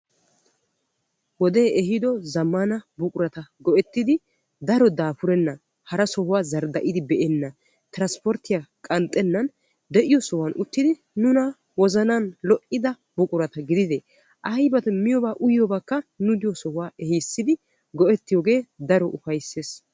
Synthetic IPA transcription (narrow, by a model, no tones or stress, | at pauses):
wɔd̪e̞ːʔɛɦɪd̪ɔzɐmːɐnɐbʊkʼʊɾɐt̪ɐɡɔʔɛt̪ːɪd̪ɪ | d̪ɐɾɔd̪aːpʊɾɛnːɐ | hɐɾɐsɔhʊwaːzɐɾd̪ɐʔɪd̪ɪbɛʔɛnːɐ | t̪ɪɾɐnspɔɾt̪ːɪjakʼɐnt̪ʼːɛnːɐn | d̪ɛʔɪjɔsɔhwɐnʔʊt̪ːɪd̪ɪ | nʊnɐ | wɔzɐnɐnlɔʔɪd̪ɐ | bʊkʼʊɾɐt̪ɐɡɪd̪ɪd̪ɛ | ʔɐjbɐt̪ɛmɪjɔbaːʔʊjjɔbakːɐnʊd̪ɪjɔsɔhʊwaːɛhisːɪd̪ɪ | ɡɔʔɛt̪ːɪjɔːɡe̞ːd̪ɐɾɔʔʊfɐjsːeːs